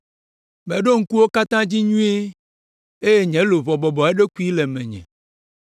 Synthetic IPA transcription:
mɛ̃˨ɖo˦ŋ̩˦ku˦wo˦ka˦t̪ã˦d͡ʑi˦ɲũ˦e˦ | e˦je˦ɲɛ̃˨˦lo˨vɔ˨bɔ˨bɔ˨e˦ɖe˦ku˦i˦lɛ˨mɛ̃˨ɲɛ̰̃˨

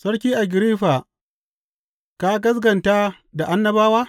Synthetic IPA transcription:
sɐ˦ɽkʲiː˦ʔa˨ɡʲɪ˨ɾiː˦ɸa˨ | ka˦ɡɐ˦s̬ɡɐ˨nta˦ | da˨ʔa˦nːɐ˦baː˦waː˦

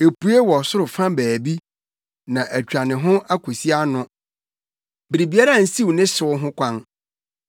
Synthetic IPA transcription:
e˨pu˦e˦wɔ˨sʊ˦ɾʊ˨fã˦bæː˨bi˦ | nã˨ʔæ˨t͡ɕᶣa˨nɪ̃˨ɦʊ̃˦ʔa˦kʰo˨si˦a˦nʊ̃˦ | bɪ˨ɾi˨bi˨a˦ɾa˦˨n̩˨˦si˦wnɪ̃˦sɪ˨˦ʊ˦ɦʊ̃˦kʷʰã˦n

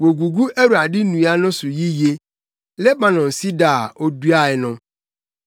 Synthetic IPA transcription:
wo˨ɡu˨ɡu˦ʔe˦ɾu˨a˨dɪ˦nũ˨˦a˦nʊ̃˦sʊ˨ji˦je˦ | le˦ba˨nɔ̃˨n̩˨si˦da˨o˦du˦a˦ɛ˨nʊ̃˦

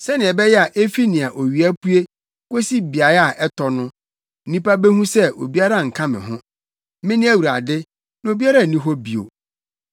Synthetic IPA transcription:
sɛ˦nɪ̃˨ɛ˨bɛ˦jɛ˦a˨ʔe˦fi˦nɪ̃˨a˨ʔo˨ɥi˨æ˦pʰu˦e˦ | ko˦si˦bi˨a˨ɾa˨ʔɛ˦tʰɔ˨nʊ̃˦ | nĩ˦pa˦bɛ˦hũ˦sɛ˦ʔo̰˨bi˦a˦ɾa˦˨ŋ̩˨kʰã˦mɪ̰̃˨ɦʊ̃˦ | mɪ̃˦nɪ̃˦æ˦wu˨ɾa̰˨dɪ˦ | nã˨o˨bi˦a˦ɾa˦˨nĩ˦ɦɔ˦bi˨o̰˨

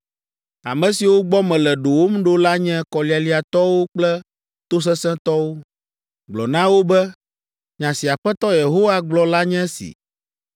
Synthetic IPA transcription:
a̰˨mɛ̃˨si˨wo˦ɡ͡bɔ˦mɛ̃˨lɛ˨ɖo˨wo˦m̩˦ɖo˦la˦ɲɛ̃˦kɔ˨li˦a˨li˦a˨t̪ɔ˦wo˦k͡plɛ˦ | t̪o˦s̬ɛ̃˦sɛ̃˦t̪ɔ˦wo˦ | ɡ͡blɔ̰˨nã˦wo˦bɛ˦ | ɲã˨si˨a˨ɸɛ˦t̪ɔ˦je˨ɦo˦wa˦ɡ͡blɔ˨la˦ɲɛ̃˦sḭ˨

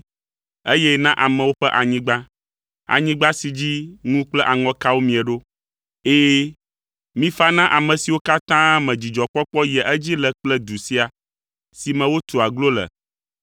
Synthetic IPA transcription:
e˦jɛ˦nã˦ʔa˨mɛ̃˨wo˦ɸɛ˦ʔa˨ɲĩ˦ɡ͡ba˦ | a̰˨ɲĩ˦ɡ͡ba˦si˨d͡ʑi˦ŋũ˦k͡plɛ˦ʔa˨ŋɔ̃˨ka˦wo˦mĩ˨ɛ˨ɖo˦ | eː˦ | mĩ˦fa˦nã˦ʔa˨mɛ̃˨si˨wo˦ka˦t̪ã˦mɛ̃˨d͡ʑi˨d͡ʒɔ˨k͡pɔ˦k͡pɔ˦jɛ˨ʔɛ˦d͡ʑi˦lɛ˨k͡plɛ˦d̪u˨si˦a˨ | si˨mɛ̃˨wo˦t̪u˨a˨ɡlo˦lɛ̰˨

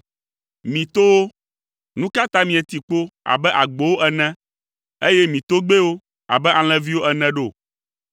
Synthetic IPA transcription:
mĩ˨t̪o˦wo˦ | nũ˦ka˦t̪a˦mĩ˨ɛ˨t̪i˨k͡po˦a̰˨bɛ˦ʔa˨ɡ͡bo˨wo˦ʔɛ˨nɛ̃˦ | e˦je˦mĩ˨t̪o˦ɡ͡be˦wo˦ | a̰˨bɛ˦a˨l̃ɛ̃˦vi˦wo˦ʔɛ˨nɛ̃˦ɖo˦˨

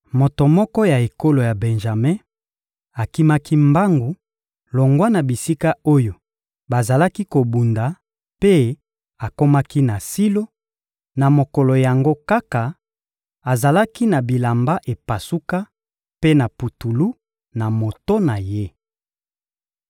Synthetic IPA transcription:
mo˨to˨mɔ˦kɔ˦ja˨e˨ko˦lo˨ja˨bɛ˨nʒa˨me˦ | a˨ki˦ma˦ki˦mba˦ŋɡu˨ | lo˨ŋɡwa˦na˨bi˨si˦ka˦o˦jo˨ | ba˨za˨la˦ki˦ko˨bu˨nda˨ | pe˦ | a˨ko˦ma˦ki˦na˨si˦lo˦ | na˨mo˨kɔ˨lɔ˨ja˨ŋɡo˦ka˦ka˨ | a˨za˨la˦ki˦na˨bi˨la˨mba˦ʔe˨pa˨su˦ka˦ | pe˦na˨pu˨tu˨lu˦ | na˨mo˨to˦na˨je˦

